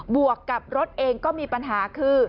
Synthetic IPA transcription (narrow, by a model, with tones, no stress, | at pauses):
bu˨˩əkːa˨˩p̚ɾo˦˥t̪̚ʔeː˧ŋkɔː˥˩miː˧pa˧nɦaː˩˦kʰɯː˥˩